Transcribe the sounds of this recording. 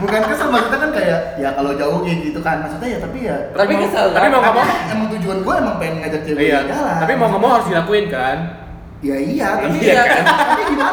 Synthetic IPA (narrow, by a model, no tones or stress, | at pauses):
bukankasəlmasut̪akankajaʔjakalod͡ʒaʊhd͡ʒiit̪ukanmasut̪ajat̪apijat̪apiɡisalapimakamaaaməŋt̪ud͡ʒuanɡuamaŋpaɪŋməŋad͡ʒak̚t͡ʃewijaɡalaapimauŋkamaɦaɾʊsdilakuɪnkan | jaiat̪aiaakant̪apiɡit̪a